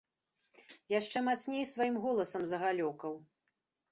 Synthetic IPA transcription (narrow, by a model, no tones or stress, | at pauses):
jaʂt͡ʂɛmat̪snʲejsvajimɣɔlˠɐsɐmzɐɣalʲɔkɐw